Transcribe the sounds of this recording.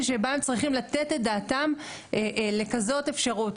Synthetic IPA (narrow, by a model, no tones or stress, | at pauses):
ʃebaemt͡sʁiχimlatetet̚d̪aːtam | ʔle̞kazo̞te̞fʃaʁut